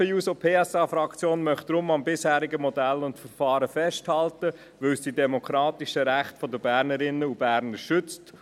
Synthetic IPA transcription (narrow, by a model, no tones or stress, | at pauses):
əuːsopʰeːɛsɑːfɾɑkt͡sjoːnmœχt̚d̥ɾʊmɑmbɪshæːɾiɡəmɔdælʊntfəɾfɑːɾəfɛʃthɑltə | ʋɵlsd̥idɛmɔkɾɑːt̪iʃəɾæχtfɔdəbæːɾnəɾɪnːəubæːɾnəɾʃʏt͡st